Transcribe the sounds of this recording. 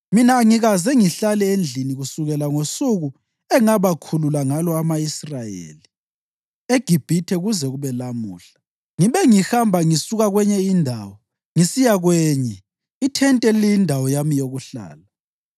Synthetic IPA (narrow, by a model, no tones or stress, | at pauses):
minaːŋiɣazɛŋiɬalɛend͡ɮʱiniɣusuɣɛlaŋosuɣu | ɛŋaβakʰululaŋalɔamaisrajḛːli | eɡ̥ʱib̥ʱitʰɛɣuzɛɣuβɛlamuːɬḁ | ŋiβɛŋixambʱaŋisuɣaɣwɛɲɛindʱaːwɔ | ŋisijaɣwɛːɲɛ | itʰɛntʼɛlijindʱawɔjamijoɣuɬa̰ːla